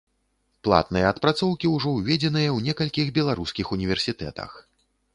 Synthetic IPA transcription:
plˠa̰t̪nɨjɐːt̪pɾat̪sɔwkʲiwʐɔwvʲɛd͡zʲɛnɨjɐwnʲɛkɐlʲkʲixbʲɛlˠaɾuskʲixunʲivʲɛrsʲit̪ɛ̰t̪ɐ̰x

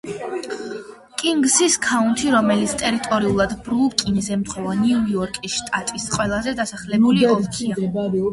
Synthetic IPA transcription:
kʼiŋɡsiskʰaunt̪ʰiɾɔmɛlit̪sʰt̪ʼɛɾit̪ʼɔɾiulˠad̪bɾupkʼinizɛmt̪ʰχɔvaniujɔɾkʼisʃt̪ʼat̪ʼisqʼwɛlˠazɛd̪asaχlɛbuliɔia

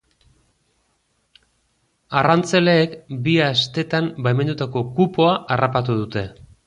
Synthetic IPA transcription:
arant͡se̞le̞ːkbiast̪e̞t̪ambajme̞nd̪ut̪ako̞kupo̞aʔarapat̪̬uð̞ut̪e̞

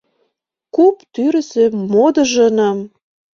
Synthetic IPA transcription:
kupt̪yɾə̆sĕmod̪ɤ̆ʒɤ̆nɑm

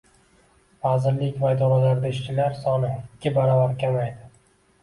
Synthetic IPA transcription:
vazɪɾlɪkʲvad̪ɒɾalaɾd̪aɪʃt͡ʃʰɪlaɾsɒnɪɪɪkʲːɪbaɾɒvaɾkʲʰamajd̪ɪ

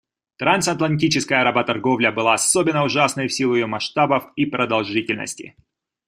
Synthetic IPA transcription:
t̪ɾansɐt̪lˠɐnʲtʲit͡ɕɪskəjəɾɐbat̪ɐrɡo̞vlʲəbɨlˠaɐsobʲɪnːəʊʐasnəjfsʲilˠʊjɪjomɐʂt̪abəfipɾəd̪ɐlˠʐɨtʲɪlʲnə̰sʲtʲɪ̰

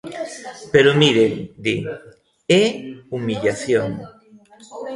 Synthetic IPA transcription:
peɾomiɾend̪i | eumiʎaθjoŋ

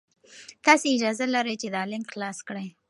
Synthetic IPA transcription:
t̪ɑseɪd͡ʒɑzalaɾəjt͡ʃed̪əɑlɪmxlɑskɽəj

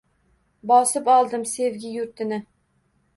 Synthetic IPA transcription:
bɒsɪpɒlˠd̪ɪmse̞vɡʲɪjʊɾt̪ʰɪnɪ

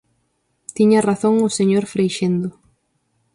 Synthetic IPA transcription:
t̪iɲaraθoŋʊseɲoɾfɾejʃend̪ʊ

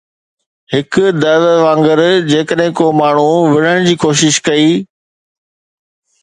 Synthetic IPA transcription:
hɪkd̪ɐʋʋãːŋɡəɾd͡ʑeːkəɗɦɪ̃koːmaːɳ̤uʋɪɽ̤əɽ̃d͡ʑiːkoːʃɪʃkɐiː

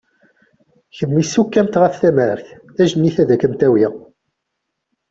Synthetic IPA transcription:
çəmːisːukːæmt̪ʁəfθæməɾθ | æʒənːiθæðækːəmt̪æwi

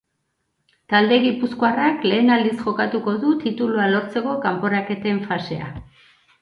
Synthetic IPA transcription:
t̪ald̪e̞ɣipuskoarakle̞ːnald̪isʝo̞kat̪uko̞ðut̪it̪ulualo̞ɾt͡se̞ko̞kampo̞ɾake̞t̪e̞ɱfase̞̰a̰

